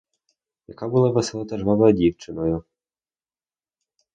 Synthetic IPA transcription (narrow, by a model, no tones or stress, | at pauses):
jɐ̰kabulˠaʋeselˠɔt̪ɛʒʋɑʋɔjɔdʲiwt͡ʃɪnɔjʊ